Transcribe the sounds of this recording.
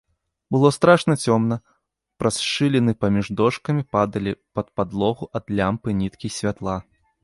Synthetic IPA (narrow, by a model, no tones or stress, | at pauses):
bɨlˠɔst̪ɾaʂnɐt͡sʲɔmnɐ | pɾʔasʂɨlʲɛnɨpɐmʲiʐd̪ɔʂkɐmʲipad̪ɐlʲipɐt̪̚pad̪lˠɔɣuʔɐd̪lʲampɨnʲit̪kʲisʲvʲat̪lˠa